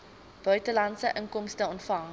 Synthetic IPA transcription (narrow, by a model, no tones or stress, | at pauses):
b̥œɥtəlɐntsəʔəŋkɔmstəɔntfɐŋ